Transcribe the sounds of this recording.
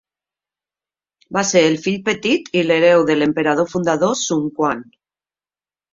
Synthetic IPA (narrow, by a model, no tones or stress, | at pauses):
baseɾelfiʎpet̪it̪ileɾewðelempeɾað̞ofund̪aðosuŋkwan